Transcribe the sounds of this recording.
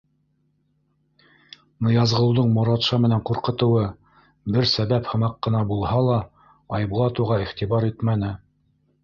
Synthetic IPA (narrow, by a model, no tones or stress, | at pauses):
nɤ̆jɑzʁɤ̆ɤwd̪ɤɴmoɾɑt̪ʃɑmɘ̆næɴquɾqɤ̆t̪ɤ̆wɤ | bɘɾsæβæphɤ̆mɑqːɤ̆nɑbulˠhɑlˠɑ | ɑjbulˠɑt̪uʁɑiχt̪ibɑɾit̪mænɘ